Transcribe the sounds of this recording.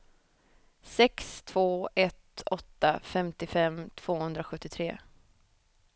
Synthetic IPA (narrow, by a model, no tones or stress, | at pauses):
sɛkst̪ʰv̥oːɛt̪ɔt̪ːafɛmt̪ɪfɛmt̪ʰv̥oːhɵnd̪ɾaɧɵt̪ːɪt̪ʰɾeː